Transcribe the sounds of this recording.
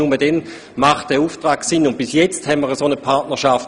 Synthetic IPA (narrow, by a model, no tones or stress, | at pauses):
umədɛn | maχtd̥ɛːɐuːftʁaːksɪnːʊnt̚b̥ɪsjɛt͡sthɛnməʁəsonəpʰaʁtnəʃaf